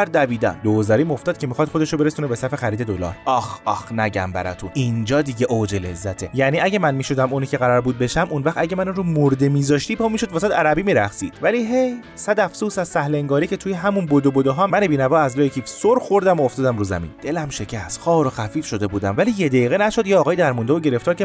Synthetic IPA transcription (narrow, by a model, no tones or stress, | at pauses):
æɾd̪æbiːd̪æ̰nd̪ozæɾiːmo̞ft̪ɒːd̪̥̚cʰemixɒːd̪̥χo̞d̪eʃobeɾesunebe̞sæfe̞xæɾiːd̪e̞d̪olɒ̰ːɾɒxɒxnæɟæ̰mbæ̰ɾɒ̰t̪ʰuind͡ʒɒːd̪iɟeʔod͡ʒele̞zːæt̪ʰejæniæɟemænmiːʃod̪æmunicʰeɣæɾɒɾbuːd̪̚be̞ʃæmunvæχt̪æɟemænuɾomoɾd̪emiːzɒːʃt̪iːpʰɒːmiːʃod̪vːsæd̪æɾæbiːmiːɾæχsḭːd̪̥væliːɦe̞j | sæd̪æfsuːsæzsæhle̞ŋɡɒːɾice̞t̪ʰuːjeɦæmunbod̪obod̪oɦɒːmænebiːnævɒːæzlɒːjecʰiːfsoɾxoɾd̪æmooft̪ɒːd̪æmɾuːzæ̰mḭːnd̪̥e̞læmʃe̞cʰæst̪xɒːɾoxæfiːfʃo̞d̪e̞buːd̪æmvæliːjed̪æiːɣenæʃo̞d̪jeɒːɣɒːjd̪æɾmund̪evoɟe̞ɾe̞ft̪ɒːɾcʰʲe